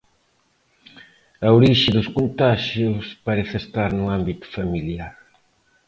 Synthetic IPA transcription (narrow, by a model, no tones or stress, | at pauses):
ɐoɾiʃɪðʊskont̪aʃjʊspɐɾeθest̪aɾnʊambit̪ʊ̥familjaɾ